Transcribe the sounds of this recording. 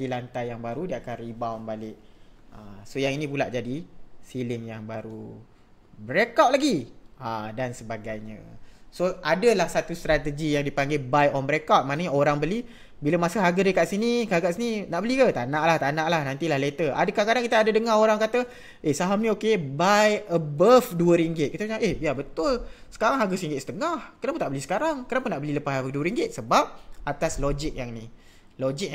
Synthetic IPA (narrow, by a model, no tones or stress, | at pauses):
dilant̪ajjaŋbaɾudiakanribawnbalɪʔ̚asojaŋinĩpula̰ʔd͡ʒadisilɪŋjaŋbaɾṵ | bəɾekawt̪̚laɡiadansəbaɡajɲã̰soadəlahsat̪ust̪ɾat̪əd͡ʒijaŋdipaŋɡejbajɔnbɾekawt̪̚manaɲaoɾaŋbəli | biləmasəɦaɡədekaʔsinikakaʔsininaʔbəlikət̪anãʔlaht̪anaʔlahnant̪ilahlet̪əʔa̰dakakadaŋkit̪əadədəŋahoɾaŋkat̪ə | ʔehsaɦamnĩokebajəbafduəɾiŋɡɪt̪̚kit̪əpt͡ʃaŋʔehbijabət̪ʊlsə̥kaɾaŋɦaɡəsəɾiŋɡɪt̪sə̥t̪əŋahkənapunt̪aʔbəlisə̥kaɾaŋkənapʊnːaʔbəliləpasəbaduəɾiŋɡɪt̪̚səbap̚at̪aslod͡ʒɪk̚jaŋni | lod͡ʒik̚